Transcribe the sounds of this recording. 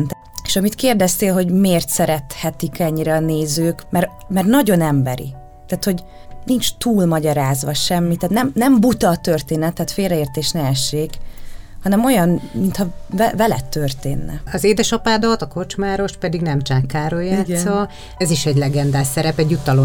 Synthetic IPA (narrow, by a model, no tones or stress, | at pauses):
nt̪ | e̥ʃɒmit̪keːrd̪ɛst̪eːlɦo̞ɟmeːrt̪sɛɾɛt̪hɛt̪ikɛɲːiɾɛːneːzøːkmɛɾmɛrnɒɟo̞nɛmbɛɾḭ | t̪aːt̪ho̞ɟ | nint͡ʃt̪uːlmɒɟɒɾaːzʋɒʃɛmːit̪ːaːt̪nɛmnɛmbut̪ɒt̪ø̞rt̪eːnɛt̪ːɛːt̪feːlrɛeːrt̪eːʃnɛɛʃeːkhɒnɛmo̞jɒnmint̪hɒvɛvɛlɛ̰t̪ːørt̪ḛːnːɛ̰ɒzeːd̪ɛʃɒpaːd̪ot̪ɒko̞t͡ʃmaːɾo̞ʃpɛd̪iɡnɛmt͡ʃaːkːaːɾojaaːtɡ̪so | ɛziʃɛɟlɛɡɛnd̪aːsɛɾɛpɛɟːut̪ɒlo